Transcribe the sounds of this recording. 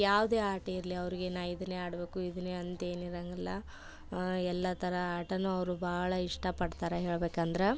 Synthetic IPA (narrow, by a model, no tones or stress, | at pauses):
jaːʋud̪eːaːʈɐiɾɐliɐʋɾiɡenaːid̪ɐneːaːɽbe̞ːkuid̪uneɐnt̪e̞ːniɾɐŋɡɐlːɐ | ɛlːɐt̪ʰɐɾɐaːʈɐnːuɐʋɾubʱaːɐɭɐiʂʈɐpɐɽt̪aːɾeɦeːɭbeːkɐnd̪ɐɾe